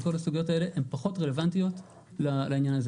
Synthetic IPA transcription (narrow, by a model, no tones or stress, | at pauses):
ko̞lasuɡijo̞tae̞le̞ʔempaχo̞tʁele̞vantijo̞t | lalainjanaze